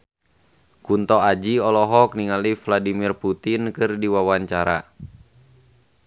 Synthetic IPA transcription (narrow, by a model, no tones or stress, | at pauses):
kunt̪ɔad͡ʒiɔlɔɦɔk̚niŋalifladimirput̪inkɨrdiwawaɲt͡ʃaɾa̰